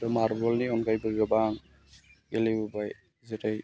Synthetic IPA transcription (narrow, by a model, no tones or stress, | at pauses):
tɔmaɾbɔlniɔŋɡajbɯɡabaŋ | ɡelijbɔbaj | zetaj